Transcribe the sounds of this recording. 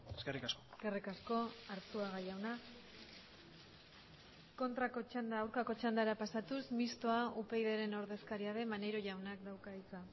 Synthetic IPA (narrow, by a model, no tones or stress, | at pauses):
eskerikaskoske̞rikasko̞aɾt͡suaɣajawna | ko̞nt̪ɾako̞t͡ʃand̪aːwɾkako̞t͡ʃand̪aeɾapasat̪usmist̪o̞aupe̞jðe̞ɾe̞no̞ɾðe̞skaɾiaðe̞mane̞ɾo̞ʝawnak̚d̪awkait͡sa